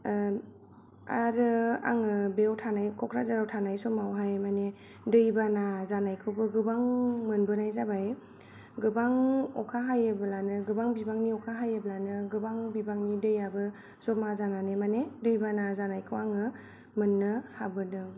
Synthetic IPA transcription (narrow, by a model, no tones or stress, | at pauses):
a̰ɾɯa̰ŋɯbewtʰanajkʰɔkʰɾazaɾawtʰanajzɔmawɦajmane | dɯjbanazanajkʰɯwbɯɡɯbaŋmɯnbɯnajzabaj | ɡɯbaŋɔ̰kʰaɦajɯbɯlanɯɡɯbaŋbibaŋniɔkʰaɦajɯblanɯɡɯbaŋbibaŋnidɯjabɯ | zɔmazananemanedɯjbanazanajkʰɯwaŋɯ | mɯnːɯhabɯnɯ